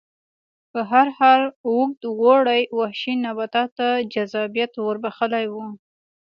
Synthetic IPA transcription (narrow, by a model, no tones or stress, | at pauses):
pəɦaɾhɑlwuk̚d̪ɣoɽajwahʃinabat̪ɑt̪ad͡ʒazɑbijat̪wəɾbaxəlajwu